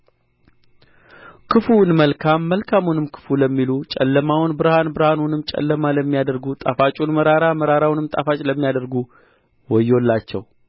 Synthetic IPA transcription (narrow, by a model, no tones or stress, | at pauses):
kʰɨfunməlkʰamːəlkʰamunɨmkʰɨ̥fuləmːilut͡ʃʼɛ̰lːəmawʊnbɨɾhanbɨɾhanunɨmt͡ʃʼɛ̰lːəmaləmːijad̪əɾɡut̪ʼafat͡ʃʼunməɾaɾaməɾaɾawnɨmt̪ʼa̰fat͡ʃʼləmːijad̪əɾɡu | wɔjːo̞lːat͡ʃːɛ̰w